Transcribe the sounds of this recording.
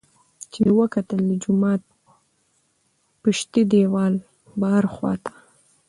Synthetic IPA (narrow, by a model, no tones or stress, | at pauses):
t͡ʃewəkat̪əld̪əd͡ʒʊmɑt̪̚ | pəʃt̪id̪ewɑl | bahaɾxwɑ̰t̪ḁ